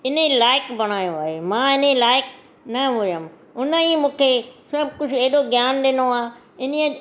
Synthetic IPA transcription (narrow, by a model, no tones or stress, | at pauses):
ɪnelaːɪkbɐɽ̃aːjoaːɦemãːɪnelaːɪk | nɐɦʊjəm | ʊnəimũːkʰesɐbʱkʊd͡ʑʰeɦɪɗoɡjaːnɗɪnoaː | ɪn̤iə